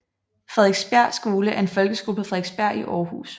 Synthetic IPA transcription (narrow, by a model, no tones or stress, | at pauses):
fʁɛðˠeɡ̥sb̥æɐ̰d̥sɡ̥o̝ːləæɐe̝nfɒ̽lɡ̥əsɡ̥o̝ːlfʁɛðˠeɡ̥sb̥æɐ̰̥iʔɒːhṵːs